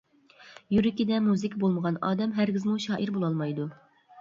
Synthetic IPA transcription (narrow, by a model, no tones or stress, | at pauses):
jyɾɪkʲid̪ɛmuzɨkʲʰbolˠməʁɑnɑ̰ːd̪ɛmɦæɾɡʲizmuʃɑːʔiɾbolˠɑlˠmɑjd̪u